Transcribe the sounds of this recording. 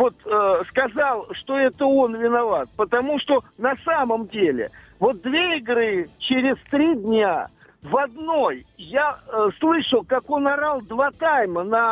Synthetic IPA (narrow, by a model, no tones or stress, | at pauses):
vo̞t̪əskɐzɑlˠʂt̪o̞ɛt̪əo̞nvʲɪnɐvat̪̚pət̪ɐmuʂt̪o̞nɐsaməmdʲelʲɪ̰vo̞t̪̚d̪vʲeɪɡɾɨt͡ɕɪɾʲɪzt̪ɾʲidʲnʲa | vɐd̪no̞jjaslˠɨʂəlˠkako̞nɐɾalˠd̪vat̪ajmənɐ